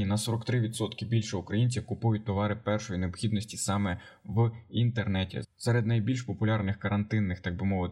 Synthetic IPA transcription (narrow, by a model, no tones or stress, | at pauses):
inɐsɔɾɔkt̪ɾɪʋʲid̪sɔt̪kɪbʲilʲʃɛʊkɾɐjinʲt͡sʲiwkʊpujʊt̚ʲt̪ɔʋɑɾɪpɛrʃɔjineɔbxʲid̪nɔsʲtʲisɑmɛ | ʋint̪ernɛtʲḭsɛɾed̪nɐjbʲilʲʃpɔpʊlʲɑrnɪxkɐɾɐnt̪ɪnːɪxt̪ɑɡ̚bɪmɔʋɪt̪